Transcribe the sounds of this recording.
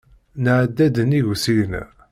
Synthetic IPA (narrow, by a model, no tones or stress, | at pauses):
nəʕd̪ːæd̪əniʝsiən